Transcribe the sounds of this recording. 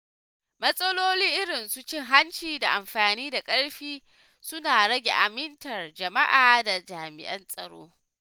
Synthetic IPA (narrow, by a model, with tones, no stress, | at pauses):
mɐ˦sʼɐ˦loː˦liː˦ʔɪ˦ɽɪ˨nsu˦t͡ʃɪ˦ŋɦa˦nt͡ʃiː˨da˨ʔa˨mɸaː˨niː˦da˨kʼɐ˦ɽɸiː˦ | sʊ˦naː˨ɽɐ˦ɡʲḛ˨ʔa˨mɪ˦ntɐ˨rd͡ʒɐ˨ma˦ʔaː˨da˨d͡ʒaː˨mɪ˨ʔɐ˦nsʼɐ̰˨ɽo̰ː˦